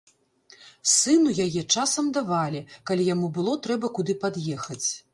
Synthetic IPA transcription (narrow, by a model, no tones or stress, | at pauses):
sɨnujajɛt͡ʂasɐmd̪avalʲikalʲijamubɨlˠɔt̪ɾɛbɐkud̪ɨpad̪jɛxɐt͡sʲ